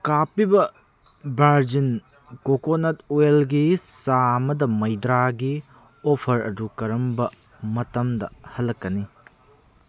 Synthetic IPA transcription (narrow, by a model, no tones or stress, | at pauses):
kapibɐ | baɾd͡ʒin | kokonatwelɡisamɐdɐmɐjdɾaɡi | opʰɐɾɐ̰dukɐɾɐmbɐ | mɐtɐmdɐhɐlːɐkːɐni